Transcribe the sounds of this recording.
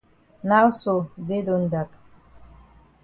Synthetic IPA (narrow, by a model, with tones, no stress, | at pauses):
na˦so˨de˦do˨nda˨k